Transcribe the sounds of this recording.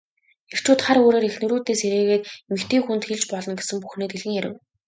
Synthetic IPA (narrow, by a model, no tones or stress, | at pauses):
er̥t͡ɕuːt̪χaɾoːɾeːɾexnɵɾuːt̪eːseɾeːɣeːt̪emɘ̆kt̪ʰiːŋxunt̪xeɮt͡ɕpɔɮɞ̆nɡesɘ̆mpu̥xniːt̪eɮɣɘ̆ŋjæɾʲɪ̰̆w